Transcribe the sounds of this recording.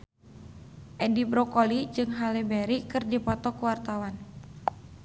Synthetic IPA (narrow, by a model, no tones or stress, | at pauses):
ʔɛdibɾɔkolid͡ʒɨŋɦalɛbɛɾikɨrdipɔt̪ɔkuwart̪awan